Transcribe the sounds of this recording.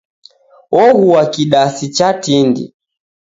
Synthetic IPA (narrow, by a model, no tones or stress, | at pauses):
ɔɣuwakiɗasit͡ʃatindḭ